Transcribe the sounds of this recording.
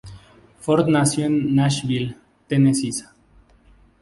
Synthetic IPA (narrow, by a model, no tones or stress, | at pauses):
foɾt̪nasjonːaʃβil | t̪enesisḁ